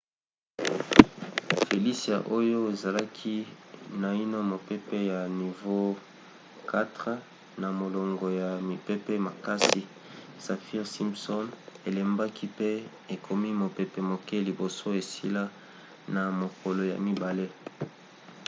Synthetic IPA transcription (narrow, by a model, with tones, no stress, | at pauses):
fe˨li˦sa̰˨ʔo˦jo˦e˨za˨la˦kʰi˦na˨i˦no˦mo˨pe˦pɛ˦ja˨ni˨vo˦ | ka˦tʁ | na˨mo˨lo˨ŋɡo˨ja˨mi˨pe˦pɛ˦ma˨ka˦si˨ | sa˨fi˦ʁsi˦msɔ˦ne˨le˨mba˦kʰi˦pe˦ | e˨kʰo˨mi˦mo˨pe˨pe˨mo˨ke˦li˨bo˨so˦e˨sḭ˦la˦ | na˨mo˨ko˨lo˨ja̰˨mi˦ba˨le˦